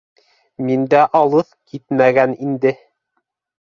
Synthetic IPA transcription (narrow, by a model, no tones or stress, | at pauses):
mind̪æʔɑlˠɤðkʰit̪mæɡænind̪ɘ